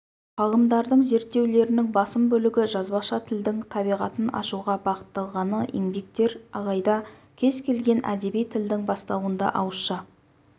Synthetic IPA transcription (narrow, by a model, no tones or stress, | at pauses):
qʰɑʁˠəmd̪ɑɾd̪əɴze̞ɾt̪ːe̞wle̞ɾɪnɪŋbɑsəmbɵlɪɡʲɪʒɑzbɑʃɑt̪ʰɪld̪ɪŋt̪ʰɑbijʁɑt̪ənɑ̰ʃuʁɑbɑqə̥t̪ːɑlˠʁɑnəʔḭŋbek̚t̪e̞ɾɑʁɑjd̪ɑkʲʰe̞zkʲʰe̞lɡʲe̞nʔæ̰d̪e̞bijt̪ʰɪld̪ɪŋbɑst̪ɑwənd̪ɑ̰ʔɑwəsʃɑ